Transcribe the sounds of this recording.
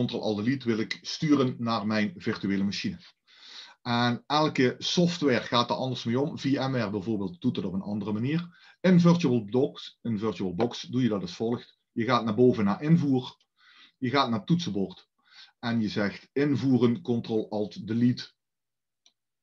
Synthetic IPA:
ɔntrolˠʔɑ̰lˠdəlitʋɪlɪkstyːrənːaːrmɛjnvɪrtyeːləmaʃinə | ɛnɛlˠkəsɔftʋɛːɹɣaːtdɑtɑndərsmeːɔmviɛmɛrbɛjvoːrbeːlˠt̚d̥ut̚dətɔpənɑ̰ndərəmaniːr | ɪnvɪrtuəlˠɔksɪnvɪrtuəlˠbɔksdujədɑtɑsfɔlˠxt | jəɣaːtnaːrboːvənaːɹʔɪnvuːr | jəɣaːtnaːtutsəbɔrt | ʔɛnjəzɛxtɪnvuːrənkɔntrolˠɑlˠtdəlit

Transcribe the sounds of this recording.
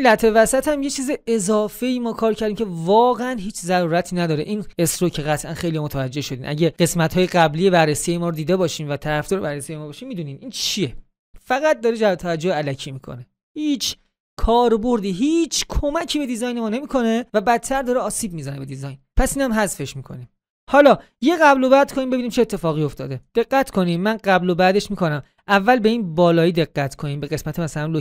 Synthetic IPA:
læt̪ʰevæsæt̪ʰæmjet͡ʃʰiːzeezɒːfe̞imɒːkʰɒːɾcʰæɾd̪imcʰe̞vɒːɣeænɦiːt͡ʃʰzæɾuːɾæt̪ʰiːnæd̪ɒːɾeʔinesɾocʰe̞ɣæt̪ʰʔænxe̞jlijɒmot̪ʰævæd͡ʒːe̞hʃo̞d̪iːnʔæ̰ɟeɢe̞smæt̪hɒːjeɡæblijebærːesijejemɒːɾod̪iːd̪ebɒːʃiːmvæt̪ʰæɾæfd̪ɔːɾebæɾrːesijejmɔːbɒːʃiːmiːd̪uːniːnʔiːnt͡ʃʰie̞ | fæɣæt̪̚d̪ɒːɾed͡ʒæɾt̪ʰævæd͡ʒːoheælæcʰiːmiːkʰo̰ne | hiːt͡ʃʰ | kʰɒːɾboɾd̪iːɦiːt͡ʃʰkʰomæcʰiːbe̞d̪izɒjnemɒːne̞miːkʰo̞ne̞væbæt̪̚t̪ʰːæɾd̪ɒːɾeɒːsiːb̚mizænebe̞d̪izɒjnpʰæsiːnæmɦæzfe̞ʃmiːkʰo̞̰nim | hɒːlɒː | je̞ɣæblo̞bæd̪̚kʰoniːmbe̞biːniːmt͡ʃʰet̪ʰːe̞fɒːɣijo̞ft̪ʰɒ̰ːd̪e̞d̪̥e̞ɡːæt̪ʰkʰo̞niːmmænɢæblobæd̪e̞ʃmiːkʰo̞næm | ʔævːælbe̞inbɒːlɒːiːd̪e̞ɣːæt̪ʰkʰoniːmbe̞ɣe̞smæt̪ʰemæsælænlo

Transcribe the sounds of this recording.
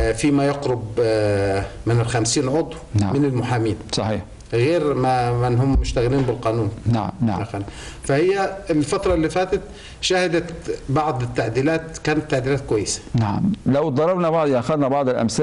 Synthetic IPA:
fiːmæjɑqɾʊb | mɪnɪlxæmsiːnʕod̪ˤwna̰ʕmɪnɪlmʊħaːmiːnsˤɑħiːħ | ɣeːɾmamɪnːhʊmːʊʃt̪æɣɪliːnbɪlqɑːnuːnnaʕa̰mna̰ʕanfæhɪjːæɪlfæt̪ɾˤɑlːiːfæːt̪æt̪ | ʃæhɪd̪æt̪bɑʕd̪ˤɪt̪ːaʕd̪iːlæːt̪kæːnɪt̪ːaʕd̪iːlæːt̪̚kʊwæjːɪsḁnaʕa̰mlæwd̪ˤɑɾˤɑbnɑbɑʕd̪ˤjʔæxæðnæbɑʕd̪ˤɪlʔæ̰msɪ

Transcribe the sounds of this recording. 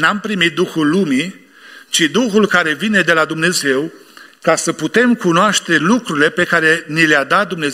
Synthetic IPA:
nampɾimit̪̚d̪uxulːumi | t͡ʃid̪uxulkaɾe̞vine̞d̪e̞lad̪umne̞ze̞w | kasəput̪e̞mkunoaʃt̪e̞lukɾuɾile̞pe̞kaɾe̞nilead̪at̪̚d̪umne

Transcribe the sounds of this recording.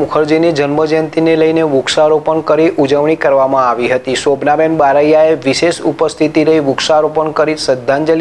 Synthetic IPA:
mʊkʰəɾd͡ʒinid͡ʒənməd͡ʒənt̪ineləjneʋʊkʃaɾopəɳkəɾiʔud͡ʒəʋɳ̃ikəɾʋamãaʋiɦət̪isobnabenbaɾəjaeʋiʃeʃupəst̪ʰit̪iɾəɦiʋʊksaɾopəɳkəɾisəd̪ʱːãnd͡ʒəl

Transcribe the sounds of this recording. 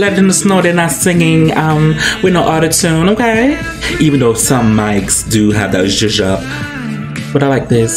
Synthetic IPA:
lɛd͡ʒɨ̃nsnoʊɾɨnasɪ̃ŋɪ̃ŋʌ̃mwɨnoʊʔɑɾɨtʰʉ̃noʊkʰeɪ | ivɨ̃n̩ðoʊsʌ̃mːaɪksd̥ɨɨvðɨ̰tʒɪʒʌp̚ | b̥ʌɾaɪlaɪk̚ðɪs

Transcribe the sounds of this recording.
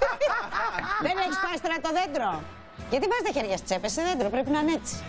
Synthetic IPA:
ðeneçispɐst̪enɐt̪oðend̪ɾo | ʝɐt̪ivɐzet̪eçeɾʝɐst͡sepeseðend̪ɾopɾepinɐnet͡si̥

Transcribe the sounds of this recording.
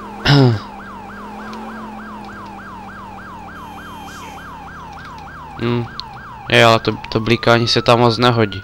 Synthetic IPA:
jɛalɛt̪ot̪oblikaːɲisɛt̪amːot͡snɛɦoɟi

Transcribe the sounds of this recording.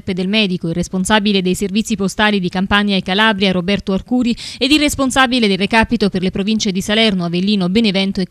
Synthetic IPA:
pːed̪elmɛːd̪ikoirːesponsaːbiled̪ejservit̪sːipost̪aːlid̪ikampaɲːaekːalabɾjaɾobɛrt̪oarkuːɾied̪irːesponsaːbiled̪elrekaːpit̪operlepɾovint͡ʃed̪isalɛrnoavelːiːnobenevɛnt̪oe

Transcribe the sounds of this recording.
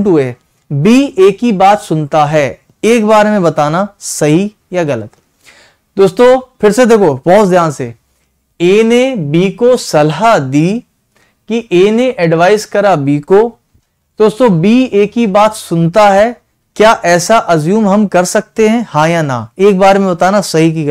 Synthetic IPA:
ʈɦʊeɦɛ | biːeːkibaːt̪sʊnt̪aɦɛː | eːkbaːɾemẽbɐt̪aːnasɐɦi | jaɣɐlət̪ | d̪oːst̪õfɪɾsed̪eːkʰobɔɦt̪zjãːnse | eːnebiːkosɐlɦad̪iː | kiʔeːneʔɛɖʋaːɪzkɐɾabiːko | d̪̥oːst̪õbiːeːkibaːt̪sʊnt̪aɦɛː | kjaːʔɛːsaʔɐzjuːmɦɐmkɐɾsɐk̚t̪eɦɛ̃hãːjana̰eːk̚baːɾemẽbɐt̪aːnasɐɦik̬iɣ

